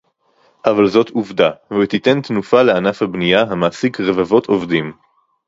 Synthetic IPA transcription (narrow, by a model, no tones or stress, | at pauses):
ʔavalzo̞tuvdaveit̪ite̞nt̪nufaleanafhabnijaɦamaːsikʁevavo̞t̪ʰo̞vdim